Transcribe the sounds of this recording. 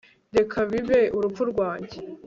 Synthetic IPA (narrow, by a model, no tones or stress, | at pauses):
dekʰaβiβeʔuɾupp͡fuɾɡwaːɲɟe